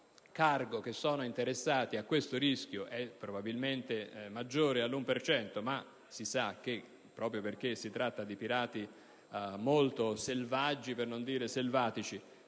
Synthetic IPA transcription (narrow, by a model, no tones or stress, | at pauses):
karɡok̟esːɔːnoint̪eɾesːaːt̪iakːwest̪oɾisk̟joʔɛpːɾobabilment̪emad͡ʒːoːɾealːumpert͡ʃɛnt̪oma | sisak̟ːe | pːɾɔːpɾjoperk̟esːit̪ɾat̪ːad̪ipiɾaːt̪i | molt̪oselvad͡ʒːipernond̪iːɾeselvaːt̪it͡ʃi